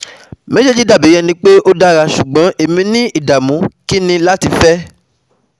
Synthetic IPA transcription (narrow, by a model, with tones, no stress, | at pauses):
me˦ʃe˦d͡ʒi˦da˦˨bi˨˦j̃ɛ̃˧nĩ˧˦k͡pe˦ʔo˦da˦ɾa˧ʃu˨ɡ͡bɔ̃˨˦ʔe˦˨mĩ˧˦nĩ˦ʔi˦˨da˨mũ˨˦ki˦nĩ˧la˦ti˧fɛ˦